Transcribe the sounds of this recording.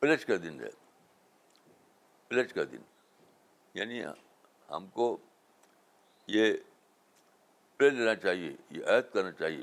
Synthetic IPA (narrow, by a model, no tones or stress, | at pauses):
bɪlet͡ʃkad̪ɪnɛ̰ | bɪlet͡ʃkad̪ɪ̰n | ja̰ːni | hɐ̰mko | je | pɪleleːnat͡ʃaːɦiejḛʔajt̪kɐɾnat͡ʃaːɦie